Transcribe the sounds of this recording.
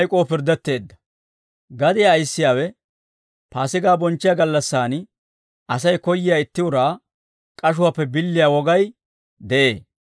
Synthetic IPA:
jkʼoːpɪɾd̪ːɛt̪ːe̞ːd̪ːɐ̥ | ɡɐd̪ɪjaːjsːɪjaːwɛ | paːsɪɡaːbɔnt͡ʃːɪjaɡɐlːɐsːaːn | ʔɐsɐjkɔjːɪjaːɪt̪ːɪʊɾaː | kʼɐʃ̬ʊwapːɛbɪlːɪjawɔɡɐj | d̪ɛʔḛː

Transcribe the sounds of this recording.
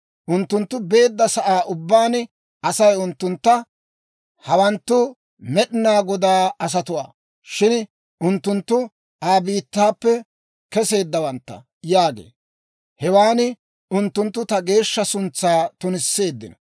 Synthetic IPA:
ʔʊnt̪ːʊnt̪ːʊbe̞ːd̪ːɐsɐʔaːʔʊbːaːn | ɐsɐjʊnt̪ːʊnt̪ːɐ | hɐwɐnt̪ːʊ | mɛɗɪnaːɡɔd̪aːɐs̬ɐt̪ʊwa̰ː | ʃɪn | ʔʊnt̪ːʊnt̪ːʊ | aːbiːt̪ːaːpːɛ | kɛse̞ːd̪ːɐwɐnt̪ːɐ̰ | jaːɡḛː | hɛwaːnɪ | ʊnt̪ːʊnt̪ːʊt̪ɐɡe̞ːʃːɐsʊnt͡sːaːt̪ʊnɪsːe̞ːd̪ːɪnɐ

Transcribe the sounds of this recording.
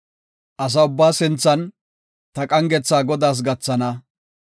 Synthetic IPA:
ʔɐs̬ɐʊbːaːsɪnt͡sːɐn | t̪ɐkʼɐŋɡɛt͡sːaːɡɔd̪aːs̬ɡɐt͡sːɐnɐ

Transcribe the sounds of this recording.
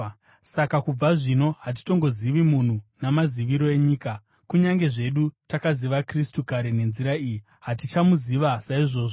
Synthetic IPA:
sakakub͡vaʐino̞ɦat̬i̥to̞ŋɡo̞ziʋimun̤unamaziʋiɾo̞e̞ɲiːka | kuɲaŋɡe̞ʐe̞ɗutakaziʋakristukaɾe̞ne̞nziɾaiji | ɦatit͡ʃamuziʋasaiʐo̞ːʐo

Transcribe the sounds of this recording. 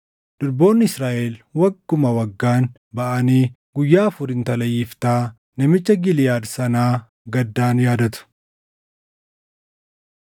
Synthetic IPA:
d̪̥ʊɾbo̞ːnːɪɪsɾaːʔelwɐɡːʊmɐwɐɡːaːn | bɐʔɐniː | ɡʊjːaːfʊɾɪnt̪ɐlɐjɪft̪aː | nɐmɪt͡ʃːɐɡɪlɪjaːd̪sɐnaː | ɡɐd̪ːaːnjaːd̪ɐt̪ʊ̥

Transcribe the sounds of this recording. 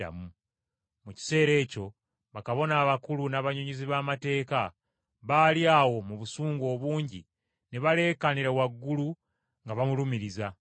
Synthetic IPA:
a̰mu | muci̥se̞ːɾe̞ːco̞ | βakaβo̞naːβakulunaβaɲoɲiziβaːmate̞ːka | βaːliaːwo̞muβusuːŋɡo̞ːβuːɲɟi | ne̞βale̞ːkaniɾawaɡːulu | ŋɡaβamulumiɾiza

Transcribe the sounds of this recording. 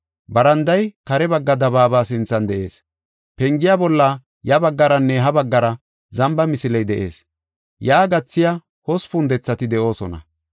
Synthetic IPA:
bɐɾɐnd̪ɐjkɐɾɛbɐɡːɐd̪ɐbaːbaːs̬ɪnt͡sːɐnd̪ɛʔe̞ːs | pɛŋɡɪjaːbɔlːa | jɐbɐɡːɐɾɐnːɛɦɐbɐɡːɐɾɐ | zɐmbɐmɪsɪlɛjd̪ɛʔe̞̰ːs | jaːɡɐt͡sːɪja | hɔspʊnd̪ɛt͡sːɐt̪ɪd̪ɛʔo̞ːsɔnɐ̰

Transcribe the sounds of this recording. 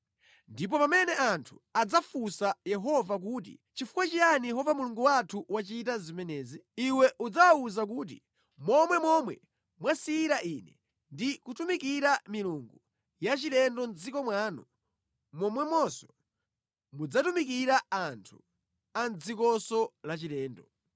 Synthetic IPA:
ndip̬ɔpamɛnɛʔantʰuad͡zafusajɛɦɔvak̬uːt̬ḭt͡ʃifu̥kwat͡ʃijanijɛɦɔvamuluŋɡuwatʰuwat͡ʃit̬azimɛnɛːziiwɛʔud͡zawauzak̬uːt̬ḭ | mɔmwɛmɔmwɛ | mwasiːɾaʔinɛ̰ | ndikutumikiɾamiluŋɡu | jat͡ʃilɛndɔnd͡zikɔmwaːnɔ | mɔmwɛmɔsɔ̥ | mud͡zatumikiɾaantʰu | and͡zikɔsɔlat͡ʃilɛːndɔ

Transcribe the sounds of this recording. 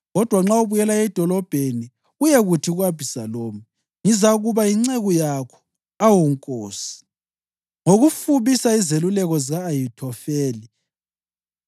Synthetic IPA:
ɣɔd̥ʱwaŋ͡ǁauβujɛlaɛd̥ʱɔlɔb̥ʱeni | ujɛɣutʰiɣuɣab̥ʱisaloːmi | ŋizaɣuβaiŋ͡ǀeɣɔjakʰɔ̥ | awɔŋkʼoːsi̥ | ŋoɣufuβisaizelulɛɣɔzaːjitʰɔfɛːli

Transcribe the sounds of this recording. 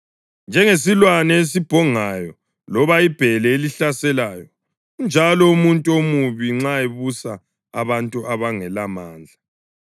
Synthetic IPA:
nd͡ʒʱɛŋes̬ilwanɛes̬ib̥ʱɔŋajɔ | lɔβaib̥ʱɛlɛeliɬasɛlajɔ | und͡ʒʱalɔumuntʼuomuβiŋ͡ǁaeβusa | a̰βantʼuʔaβaŋɛlamaːnd͡ɮʱa

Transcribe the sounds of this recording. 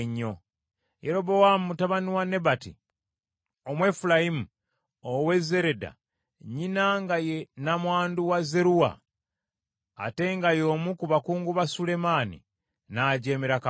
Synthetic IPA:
ɲːo̞ | jeɾo̞bo̞wamutaβaniwane̞batḭ | omwe̞fulajimu | owe̞ze̞ɾeda̰ | ɲinaŋɡajenamwaːnduwaze̞ɾuwa̰ | te̞ŋɡajo̞ːmukuβakuːŋɡuβasule̞maːnḭ | naːɟe̞ːmeɾaka

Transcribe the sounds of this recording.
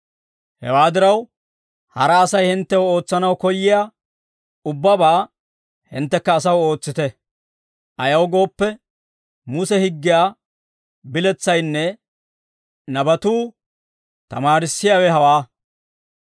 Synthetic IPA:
hɛ̰waːd̪ɪɾɐw | hɐɾɐːsɐjhɪnt̪ːɛwo̞ːt͡sːɐnɐwkɔjːɪjaː | ʊbːɐbaː | hɪ̰nt̪ːɛkːɐːs̬ɐwo̞ːt͡sːɪt̪ɛ | ʔɐjɐwɡo̞ːpːɛ | mʊsɛhɪɡːɪjaː | bɪlɛt͡sːɐjnːɛ | nɐbɐt̪uː | t̪ɐmaːɾɪsːɪjaːwɛɦɐwaː

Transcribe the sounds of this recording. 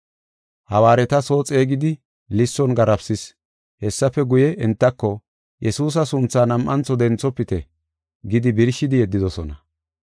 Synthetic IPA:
hɐwaːɾɛt̪ɐso̞ːt͡sʼeːɡɪd̪ɪ | lɪsːɔnɡɐɾɐpsɪs | hɛsːɐfɛɡʊjɛʔɛnt̪ːɐkːɔ | jʔɛsuːs̬ɐsʊnt͡sːaːnɐmʔɐnt͡sːɔd̪ɛnt͡sːɔpːɪt̪ɛ | ɡɪd̪ɪbɪɾʃːɪd̪ɪjɛd̪ːɪd̪ɔsɔnɐ

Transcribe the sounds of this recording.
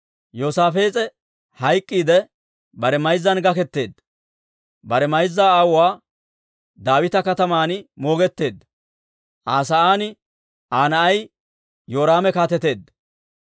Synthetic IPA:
jo̞ːsaːfe̞ːt͡sʼɛ | hɐjkʼːiːd̪ɛ | bɐɾɛmɐjzːɐnɡɐkɛt̪ːe̞ːd̪ː | bɐɾɛmɐjzːaːaːwʊwaː | d̪aːwɪt̪ɐkɐt̪ɐmaːnmo̞ːɡɛt̪ːe̞ːd̪ː | ʔaːsɐaːnɪ | ʔaːnɐʔɐj | jo̞ːɾaːmɛkaːt̪ɛt̪e̞ːd̪ːɐ

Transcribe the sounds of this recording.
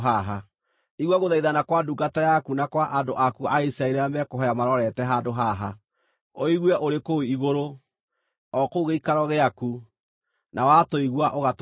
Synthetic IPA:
ɦaɦa | iɣwaɣoðaiðanakwaduɡatajakunakwaʔandoʔakuaisɾaeɾeamɛkoɦɔjamaɾɔɾɛtɛɦandoɦaɦa | oiɣwɛʔoɾekoiɣoɾo | ɔkoɣeikaɾɔɣeaku | nʔawatoiɣwaʔoɣat

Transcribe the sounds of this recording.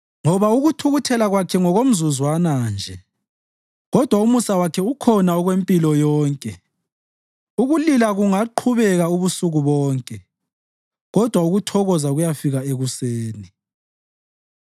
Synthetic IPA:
ŋɔβauɣutʰuɣutʰɛlaɣwakʰɛŋɔɣom̩zuzwanand͡ʒʱɛ | ɣɔd̥ʱwaumusawakʰɛukʰɔnaɔɣwempʼilɔjɔːŋkʼɛ | uɣulilaɣuŋaǃʰuβɛɣauβusuɣuβɔːŋkʼɛ | ɣɔd̥ʱwauɣutʰɔɣɔzaɣujafiɣaeɣuseːni

